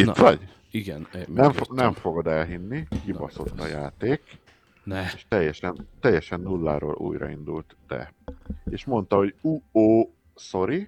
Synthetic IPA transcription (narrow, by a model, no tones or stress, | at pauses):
it̪ʋɒɟ | iɡɛnnɛɱfonɛɱfo̞ɡo̞d̪ɛlɦinːikipɒso̞̰t̪ːɒja̰ːt̪eːk | nɛeʃt̪ɛjːɛʃɛnt̪ɛjːɛʃɛnːulːa̰ːɾo̰ːlʔṵːjɾɒ̰ḭnd̪ult̪d̪̥ɛ̰eːʃmo̞nt̪ɒɦo̞ɟuoː | so̞ɾi